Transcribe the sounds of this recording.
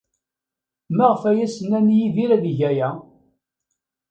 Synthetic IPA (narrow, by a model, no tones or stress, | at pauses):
mæʁəfæjæsənænjiðiɾæðiʝæjæ